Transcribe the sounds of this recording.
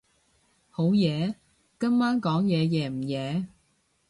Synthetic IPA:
ho˨˥wjɛː˨˧ | kɐ˥mmaː˥nkɔː˨˥ŋjɛː˨˧jɛː˨˧m̩˨˩jɛː˨˧

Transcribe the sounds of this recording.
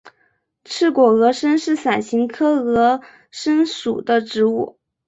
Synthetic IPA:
ʈ͡ʂʰɻ̩˥˩kwɔ˨˩ɤ˧˥ʂə˥nʂɻ̩˥˩sa˨˩nɕi˧˥ŋkʰɤ˥ɤ˧˥ | ʂə˥nʂu˨˩d̪ə˦ʈ͡ʂɻ̩˧˥u˥˩

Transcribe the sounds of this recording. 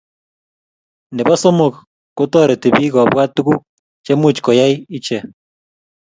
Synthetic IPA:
nde˨βa˦so˦mo˨k | kːo˦tɔ˦ɾe˨te˨βiː˦ɣɔ˨βwa˦tu˦ɣu˦ | t͡ʃe˦mu˦˨t͡ʃkɔ˨ja˦ii˦t͡ʃe˨

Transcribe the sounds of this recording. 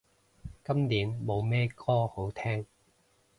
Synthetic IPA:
kɐ˥mniː˨˥nmo˨˧wmɛː˥kʰɔː˥ho˨˥wt̪ʰɛː˥ŋ

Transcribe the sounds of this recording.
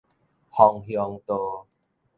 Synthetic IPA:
hɔ˨ŋhjɔ˧ŋt̪o˧

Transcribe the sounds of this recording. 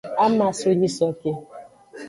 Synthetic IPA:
a˦ma˨sʊ˦ɲi˦sɔ˦ke˦

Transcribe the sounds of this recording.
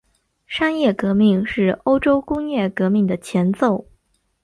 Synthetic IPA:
ʂa˥njɛ˥˩kɤ˧˥mi˥˩ŋʂɻ̩˥˩o˥ʊʈ͡ʂo˥ʊkʊ˥ŋjɛ˥˩kɤ˧˥mi˥˩ŋd̪ə˩t͡ɕʰjɛ˧˥nt͡so˥˩ʊ

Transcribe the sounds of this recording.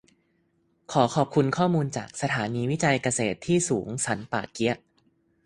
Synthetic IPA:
kʰɔː˩˦kʰɔː˨˩p̚kʰu˧nkʰɔː˥˩muː˧nt͡ɕaː˨˩k̚sa˧t̪ʰaː˩˦niː˧wi˦˥t͡ɕa˧jka˧seː˨˩t̪ʰːiː˥˩suː˩˦ŋsʰa˩˦npaː˨˩ki˦˥ɐʔ

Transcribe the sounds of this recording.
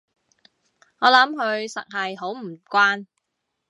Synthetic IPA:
ŋɔː˨˧lɐ˨˥mɦɵ˨˧ɥsɐ̰˨k̚hɐ˨jɦo˨˥wm̩˨˩kʷaː˥n

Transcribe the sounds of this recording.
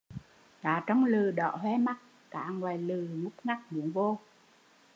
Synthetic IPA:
kaː˨˩t͡ɕɔ˧wŋ͡mlɨ˨˩ɗɔ̰ː˧˨ɦwɛ˧ma˦˥t̚ | ka̰ː˧˥ŋwaː˨˩jlɨ˨˩ŋʊ˦˥k͡p̚ŋa˦˥k̚nɨ̰˧˨˦əŋvo˧

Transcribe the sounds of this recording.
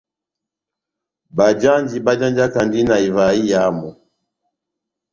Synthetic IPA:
ba˨d͡ʒa˦nd͡ʒi˨ba˦d͡ʒa˦nd͡ʒi˦a˦ka˨ndi˦na˨i˨va˨i˦ja˨˦mɔ˨

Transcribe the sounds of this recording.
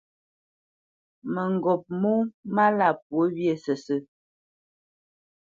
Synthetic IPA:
mə˨ŋ˨ɡɔ˨p̚mu˦ma˦la˦˨p̚wo˨˦bje˨sə˨sə˦

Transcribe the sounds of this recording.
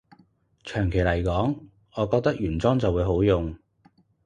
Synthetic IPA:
t͡ʃʰœː˨˩ŋkʰe˨˩jlɐ˨˩jkɔː˨˥ŋ | ɔː˨˧kɔː˧k̚t̪ɐ˥k̚jyː˨˩nt͡sɔː˥ŋt͡sɐ˨wuː˨˧jho˨˥wjʊ˨ŋ

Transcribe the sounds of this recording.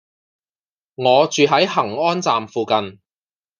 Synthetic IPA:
ŋɔː˨˧t͡ʃyː˨ɦɐ˨˥jɦɐ˨˩ŋɔː˥nt͡saː˨mfuː˨kɐ˨n

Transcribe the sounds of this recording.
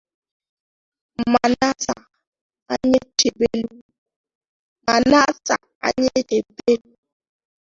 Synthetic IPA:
m̩˨ma˨na˦sa˨ | a˦ɲe˦t͡ʃe˨be˦lu˦ | ma˨na˦sa˨ | a̰˦ɲe˦de˨be˦lu˦

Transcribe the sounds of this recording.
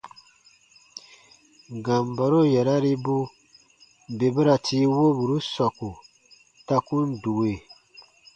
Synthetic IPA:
ɡã˨mba˨ɾo˦jɛ˨ɾa˦ɾi˦bu˦ | be˨bɨ˦ɾa˨tʰiː˦wo˦bu˨ɾu˦sɔ˨ku˨ | ta˦ku˦n˦du˨we˨

